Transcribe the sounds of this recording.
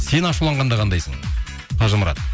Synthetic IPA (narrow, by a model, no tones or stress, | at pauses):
se̞nɑʃulˠɑɴʁɑnd̪ɑqʰɑnd̪ɑjsəɴ | t̪ʰɑʒəməɾɑ̰t̪